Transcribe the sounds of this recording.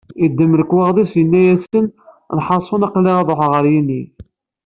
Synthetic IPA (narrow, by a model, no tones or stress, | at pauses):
id̪ːəmləkːwɑʁðˤisjənːæjæsən | nħɑsˤːonɑqlːiʁɑðˤoħʁəɾjinːi